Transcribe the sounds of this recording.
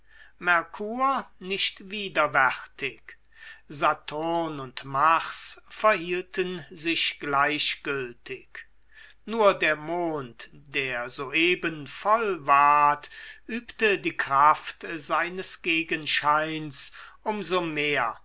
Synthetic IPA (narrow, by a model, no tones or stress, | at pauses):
mɛɐkʰuːɐnɪʃtv̥iːdɐvɛʁtɪk | zatʰonʊntmaʁsfɛɐhiːltʰənzɪɕɡ̥laɪɕɡ̥ʏltʰɪk | nuːɐdeːɐmoːntd̥eːɐzoːʔeːbənfɔlvaɐtʔyːptədiːkʁ̥aftzaɪnəsɡ̥eːɡənʃaɪnsʔʊmzomeːɐ